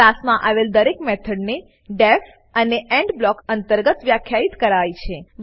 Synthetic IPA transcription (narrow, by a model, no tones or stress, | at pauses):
asmãʔaʋeld̪əɾekmet̪ʰəɖne | ɖef | əneʔɛ̃ɳɖblɔkənt̪əɾɡət̪ʋjakʰjait̪kəɾajt͡ʃʰe